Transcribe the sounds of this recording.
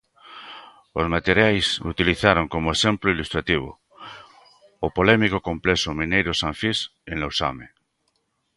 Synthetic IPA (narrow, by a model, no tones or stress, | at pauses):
ozmat̪eɾjajsṵt̪iliθaɾoŋkomoesẽmploilust̪ɾat̪iβ̞o̰ | opolemikokõmplesomĩnejɾosãɱfisẽnlowsa̰me